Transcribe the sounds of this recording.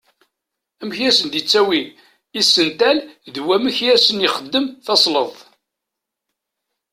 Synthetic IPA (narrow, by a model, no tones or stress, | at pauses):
æmçæsənd̪jət͡sːæwi | isːənt̪ælðwæməçæsənjiχəd̪ːəmθɑsˤləðˤ